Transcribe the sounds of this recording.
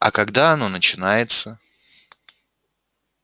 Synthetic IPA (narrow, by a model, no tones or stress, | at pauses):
ɐ̰kɐɡd̪aɐno̞nət͡ɕɪnajɪt̪sə